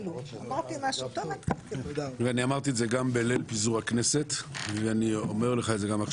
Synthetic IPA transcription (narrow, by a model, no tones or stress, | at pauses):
uamaʁt̪imaʃut̪omat̪kakeaniamaʁt̪̬ietzeɡambelelpizuʁhakne̞set̪veaniome̞ʁleχaetze̞ɡama